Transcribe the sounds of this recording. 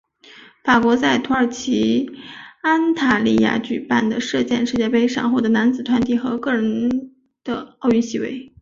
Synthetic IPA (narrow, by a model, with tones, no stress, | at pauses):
fa˨˩kwɔ˧˥t͡sa˥˩ɪt̪ʰu˧˥ə˞˨˩t͡ɕʰi˧˥ | a˥nt̪ʰa˥˩li˥˩ja̰˥˩t͡ɕy˨˩pa˥˩nd̪ə˩ʂɤ˥˧t͡ɕjɛ˥˧nʂɻ̩˥˧t͡ɕjɛ˥˩pe˥ɪʂɑ˨˩ŋxu˥˩d̪ə˩na˧˥nt͡sɹ̩˨˩t̪ʰwa˧˥nt̪i˥˩xɤ˧˥kɤ˥˩ɻə˧˥n | d̪̥ə˧ɑ˥˧ʊy˥˩nɕi˧˥˩wḛ˧˥˩ɪ